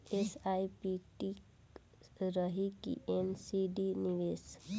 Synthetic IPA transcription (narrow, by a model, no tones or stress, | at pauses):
esaipiʈi | ɾəɦikḭʔemsiɖiniʋeːs